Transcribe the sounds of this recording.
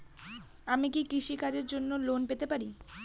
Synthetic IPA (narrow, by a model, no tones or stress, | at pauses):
amikikɾiʃikad͡ʑeɾd͡ʑonːolonpet̪epaɾi